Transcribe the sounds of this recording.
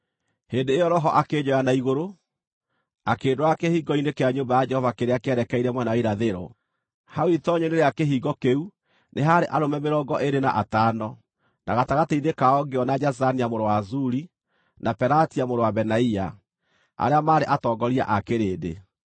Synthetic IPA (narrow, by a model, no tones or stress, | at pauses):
heːndeːjɔɾɔɦɔʔaked͡ʒɔjanaiɣoɾo | akeːdoakehiːɡɔinekeaɲoːmbajad͡ʒɛhɔvakeɾeakeɛɾɛkɛiɾɛmwɛnawaiɾaðeɾɔ̰ | hawitɔɲeneɾeakeɦiːɡɔkeu | nʔeɦaɾeʔaɾomɛmeɾɔːɡɔʔeɾena̰ʔataːnɔ | na̰ɣataɣateinekaɔɡeɔnad͡ʒazaniamoɾowazuɾi | nʔapɛɾatiamoɾowabɛnaia | a̰ɾeamaːɾeʔatɔːɡɔɾia̰ʔakeɾeːdḛ